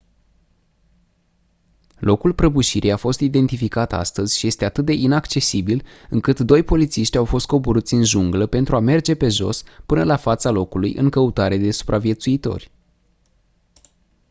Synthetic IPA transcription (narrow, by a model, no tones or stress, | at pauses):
lo̞kulpɾəbuʃiɾʔijafo̞st̪id̪e̞nt̪ifikat̪a̰st̪əzʲʃije̞st̪e̞at̪ɨt̪̚d̪e̞ʔinakt͡ʃe̞sibilɨŋkɨt̪d̪o̞jpo̞lit̪siʃt̪ʲawfo̞st̪̚ko̞buɾut̪sʲɨnʒuŋɡləpe̞nt̪ɾuame̞rd͡ʒe̞pe̞ʒo̞̰spɨnəlafat̪salo̞kulujʔɨ̰ŋkəut̪aɾe̞d̪e̞su̥pɾʔavije̞t̪suit̪o̞̰rʲ